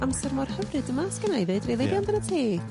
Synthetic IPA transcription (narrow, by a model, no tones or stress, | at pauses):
amsɛrmɔrhəvrɨdəmaskənajðedrelˠebjandənətʰiː